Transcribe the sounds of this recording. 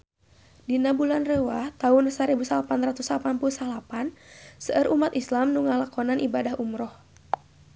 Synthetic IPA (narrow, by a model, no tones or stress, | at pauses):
dinabulanrəwaht̪aʊnsaɾibusalapanrat̪uslapanpulsalapansəʔəɾʔumat̪islamnuŋalakɔnanʔibadaɦumɾɔh